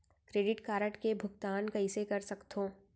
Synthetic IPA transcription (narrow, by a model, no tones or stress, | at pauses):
kɾeːɖɪʈkaːɾəʈkebʱʊkt̪aːnkɐisekɐɾsɐkt̪õː